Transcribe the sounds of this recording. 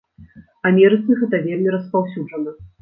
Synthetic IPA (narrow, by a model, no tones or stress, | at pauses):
ɐmʲɛɾɨt̪sɨɣɛt̪ɐvʲelʲmʲiɾɐspawsʲuʐɐnɐ